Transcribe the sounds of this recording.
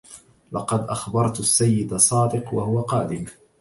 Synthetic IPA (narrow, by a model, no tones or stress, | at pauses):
lɑqɑd̪ʔaxbɑɾˤt̪asːajːɪd̪asˤɑːd̪ɪqwahʊwaqɑːd̪ɪm